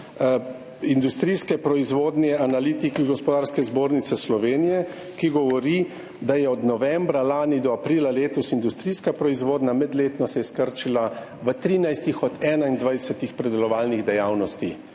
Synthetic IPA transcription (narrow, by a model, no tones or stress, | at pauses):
ind̪ust̪ɾiːskɛpɾɔizʋoːd̪nɛʔanaliːt̪ikiɡɔspɔd̪aːɾskɛzboːɾnit̪sɛslɔʋeːnijɛ | kiɡɔʋɔɾi | d̪ajɛɔd̪nɔʋɛmbɾalaːnid̪ɔapɾiːlaleːt̪ɔsind̪ust̪ɾiːskapɾɔizʋoːd̪namɛd̪leːt̪nɔsɛɛskəɾt͡ʃila | ʋət̪ɾiːnajst̪ixɔd̪ɛːnaind̪ʋajsɛt̪ixpɾɛd̪ɛlɔʋalniɣd̪ɛjawnɔst̪i